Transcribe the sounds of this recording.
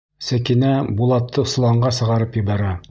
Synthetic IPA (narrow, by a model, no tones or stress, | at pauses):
sækinæbulˠɑt̪ʰːɤs̆lˠɑɴɢɑsɤ̆ʁɑɾɤpjɘ̆bæɾæ